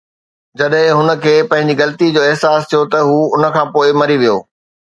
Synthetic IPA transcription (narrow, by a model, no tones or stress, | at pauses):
d͡ʑɐɗɦɪ̃ɦʊnə̆kʰeːpɐ̃ɦɪ̃ɲ̆d͡ʑiɣɐlt̪id͡ʑoːɪɦsaːst̪ʰijot̪ɐɦuːʊnə̆kʰãːpoːɪmɐɾiʋijoː